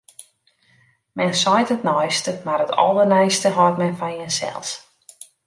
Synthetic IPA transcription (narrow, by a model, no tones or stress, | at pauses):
mɛnsɔjtətnɔjstəmarətɔ̰lˠərnɛjstəɦɔtmɛnfɔnjənsɛ̰lˠs